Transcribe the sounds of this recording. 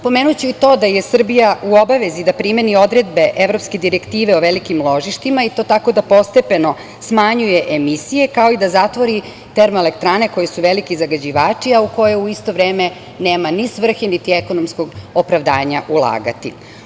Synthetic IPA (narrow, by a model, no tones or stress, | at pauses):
po̞menut͡ɕuit̪o̞ːd̪aje̞sr̩bijauo̞baʋe̞zid̪apɾime̞nio̞d̪ɾe̞d̪be̞ʔeʋɾo̞pske̞d̪iɾekt̪iːʋeoʋelikimlˠo̞ʒiʃt̪imait̪o̞ːt̪ako̞d̪apo̞st̪e̞pe̞no̞ | smaɲujeʔemisijekao̞id̪azat̪ʋo̞ɾi | t̪e̞ɾmelekt̪ɾaːne̞ko̞jesuʋe̞likizaɡad͡ʑiʋaːt͡ʃiauko̞jeuist̪o̞ʋɾeːme | neːmanisʋr̩xinit̪ieko̞nomsko̞ɡopɾaʋd̪aːɲaʔulˠa̰ːɡa̰t̪ḭ